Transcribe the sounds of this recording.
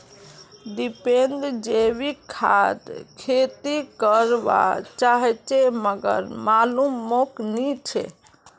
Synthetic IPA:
ɖipenɖd͡ʒeβikʰa̰d̪kʰet̪ikəɾba̰t͡ʃaɦɛt͡ʃeməɡə̰ɾmalumːoknit͡ʃʰḛ

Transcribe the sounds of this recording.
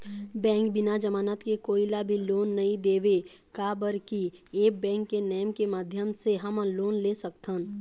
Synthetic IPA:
bɛ̃ːŋk̚bɪnad͡ʒəmaːnət̪kekoːilabʱiloːnːɐɦĩd̪eːʋe | kabəɾkieːk̚bɛ̃ːŋkːenɛːjmkemaːd̪ʱjəmseɦəmloːnlesək̚t̪ʰən

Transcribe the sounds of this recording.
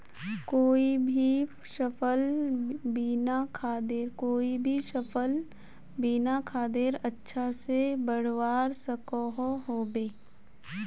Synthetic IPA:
koːibʱi | ʃɐpəlbiːnakʰaːd̪eɾkoːibʱiʃəpəl | biːnakʰaːd̪eɾɐtːʃʰasebəɽ̤waːɾsɐkoɦoɦoːbeː

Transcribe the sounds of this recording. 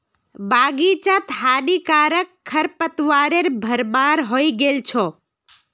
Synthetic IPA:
baɡit͡ʃãt̪ʰɦanikaɾəkʰːəɾpət̪ʋaɾeɾbʱəɾmaɾɦoiɡelt͡ʃʰɔ

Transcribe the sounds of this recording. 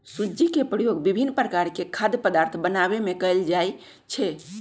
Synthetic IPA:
sud͡ʒikepɾəjoɡbibʱinːpɾəkaɾkekʰad̪pəd̪aɾt̪ʰbənaβemekəld͡ʒaj | t͡ʃʰɛ

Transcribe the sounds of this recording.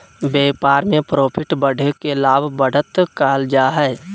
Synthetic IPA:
beːpaːɾmẽpɾoːpʰɪʈbəɽʱekelaːbʱbəɽət̪kaːld͡ʒaːɦɛ

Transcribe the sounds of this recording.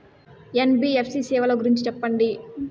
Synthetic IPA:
enbiːepʰsiːsiːʋɐloːɡuɾiɲt͡ʃit͡ʃɛpːɐɳɖi

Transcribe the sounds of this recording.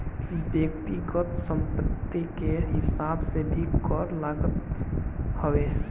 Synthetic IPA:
bjəkt̪iɡət̪sə̃mpət̪ːikeɦɪsaːbsebʱikɔːɾlaːɡət̪ | hoe

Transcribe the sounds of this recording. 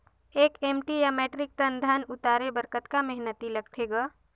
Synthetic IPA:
eːkeːmʈijameːʈɾɪk̚t̪ənd̪ʱanʊt̪aːɾebəɾkət̪kamɛɦnət̪ilɐɡ̚t̪ʰeːɡaː

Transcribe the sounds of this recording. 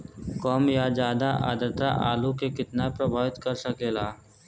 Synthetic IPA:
kɔːmjad͡ʒaːd̪aʔa̰ːd̪əɾt̪a̰ʔa̰ːlukekɪt̪napɾɐbʱaːʋɪt̪kɐɾsɐkeːlaː

